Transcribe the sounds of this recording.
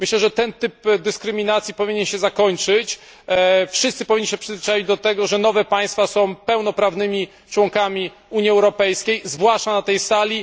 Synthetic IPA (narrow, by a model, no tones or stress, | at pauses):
mɘɕlɛʐɛt̪ɛnt̪ɘpd̪ɘskɾɘmʲinat̪sʲjipɔvʲiɲɛnɕɛzakɔɲt͡ʂɘt͡ɕ | fʂɨst̪sɘpɔvʲiɲːiɕɛpʂɨzvʲɘt͡ʂajid͡ʑd̪ɔt̪ɛɡɔʐɛn̪ɔvɛpaj̃st̪fasɔ̃w̃pɛwn̪ɔpɾavnɘmʲi | t͡ʂwɔŋkamʲi | uɲjiɛwɾɔpɛjskʲejzvwaʂt͡ʂanat̪ɛjsalʲi